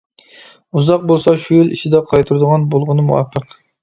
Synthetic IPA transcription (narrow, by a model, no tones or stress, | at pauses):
uzɑq̚bolˠsɑʃujiliʃʰid̪ɛqʰɑjt̪ʰuɾd̪ʊʁɑnbolˠʁʊnɨmṵwɑ̰pʰːəq